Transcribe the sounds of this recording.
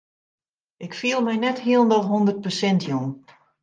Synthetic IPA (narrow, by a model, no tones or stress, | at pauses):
ɪkfiəlˠmɛjnɛthiəlˠndɔlˠɦɔndərt̚pəsɛntʰjun